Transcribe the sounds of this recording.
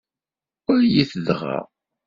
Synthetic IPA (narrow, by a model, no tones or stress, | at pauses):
ʊɾjiθəðʁa̰